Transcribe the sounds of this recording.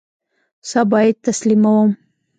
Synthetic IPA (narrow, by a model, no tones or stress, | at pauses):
sɑbɑjad̪̚t̪aslimawəm